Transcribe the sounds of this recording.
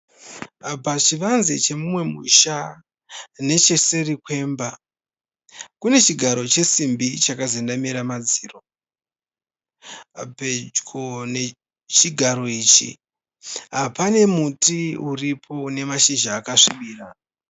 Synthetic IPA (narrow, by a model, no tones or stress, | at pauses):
pat͡ʃiʋanzit͡ʃe̞mumwe̞mṵʃa | ne̞t͡ʃe̞se̞rikwe̞ːmba | kune̞t͡ʃiɡʱaɾo̞t͡ʃe̞simbit͡ʃakazindamiɾamad͡ziːro̞ | be̞d͡ʒɡone | t͡ʃiɡʱaɾo̞iːt͡ʃḭ | ɦapane̞mutiuripʰo̞ne̞maʃiʒaːkaʂiɓiːra